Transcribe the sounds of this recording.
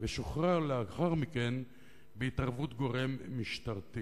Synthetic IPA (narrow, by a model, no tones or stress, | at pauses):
veʃoχʁaleaχaʁmike̞n | beitaʁvutɡo̞ʁemːiʃt̪aʁt̪i